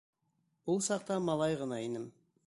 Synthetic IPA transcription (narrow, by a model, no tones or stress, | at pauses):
b̥ʊlˠsɑq̚t̪ɑmɑlˠɑjʁənɑinəm